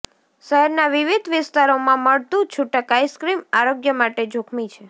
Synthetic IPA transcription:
ʃɛɦɛɾnaʋɪʋɪd̪ʱʋɪst̪aɾomãməɭt̪ũt͡ʃʰʊʈəkajskɾimaɾoɡjəmaʈed͡ʒʱokʰmit͡ʃʰe

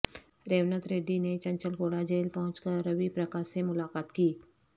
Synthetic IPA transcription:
ɾeːʋnət̪ɾeːɖinet͡ʃɐ̃ɲt͡ʃəlɡoːɽad͡ʒeːlpɐɦʊ̃t͡ʃkəɾɐʋipɾɐkaːʃemʊlaːkaːt̪kiː

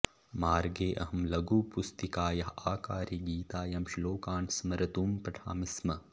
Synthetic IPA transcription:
maːɾɡeːʔɐ̰ɦɐmlɐɡuːpust̪ikaːjɐɦaːkaːɾiɡiːt̪aːjɐmʃiloːkaːnsmɐɾɐt̪uːmpɐʈʰa̰ːmismɐ

